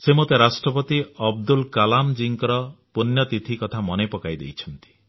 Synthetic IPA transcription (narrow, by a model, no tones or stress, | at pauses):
semot̪eɾasʈɾɔpɔt̪iɔb̚d̪ulkalamd͡ʒiŋkɔɾɔpunjɔt̪it̪ʰikɔt̪ʰamɔnepɔkajd̪ḛjt͡ʃʰɔnt̪i̥